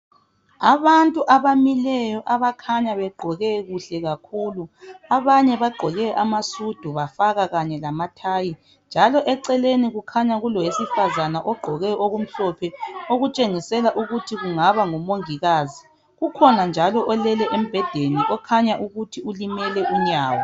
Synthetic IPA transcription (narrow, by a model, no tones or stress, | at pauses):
aβantʼuʔaβamilɛjɔʔaβakʰaɲaβɛɡ͡ǃʱɔɣɛɣuɬɛɣakʰuːluaβaɲɛβaɡ͡ǃʱɔɣɛʔamasud̥ʱuβafaɣaɣaɲɛlamatʰaːji | nd͡ʒʱalɔʔɛǀɛleniɣukʰaɲaɣulɔwesifazanaʔɔɡ͡ǃʱɔɣɛoɣum̩ɬɔpʰɛoɣut͡ʃʼeŋisɛlaʔuɣutʰiɣuŋaβaŋɔmoŋiɣaːzi | ɣukʰɔnand͡ʒʱalɔʔɔlɛlɛʔem̩b̥ʱɛd̥ʱeniʔɔkʰaɲaʔuɣutʰiulimɛlɛʔuɲaːwɔ